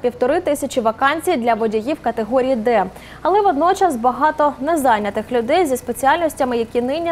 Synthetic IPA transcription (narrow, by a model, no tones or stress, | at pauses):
pʲiwt̪ɔɾɪt̪ɪsʲɐt͡ʃiʋɐkɑnʲt͡sʲijd̪lʲɐʋɔdʲijiwkɐt̪eɦɔɾʲijid̪ɛ | ɐlˠɛʋɔd̪nɔt͡ʃɐsbɐɦɑt̪ɔnɛzɑnʲːɐt̪ɪxlʲʊd̪ɛjzʲispet͡sʲiɑlʲnʲɔsʲtʲɐmɪjɐkʲinɪnʲi